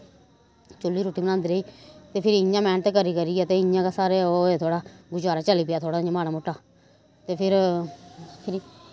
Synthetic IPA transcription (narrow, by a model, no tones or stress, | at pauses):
t͡ʃolːiːɾoːʈiːbənãːnd̪ɾeiːt̪eːpʰɪɾɪjãːmɛ̃ːnt̪eːkəɾiːkəɾiːɛːt̪eːɪjãːkaːsaːɾeːoːeːt̪ʰoːɽaːɡʊd͡ʒaːɾaːt͡ʃəliːpɪaːt̪ʰoːɽaːɲãːmaːnaːmoʈːaː | t̪eːpʰɪɾ | pʰɪɾi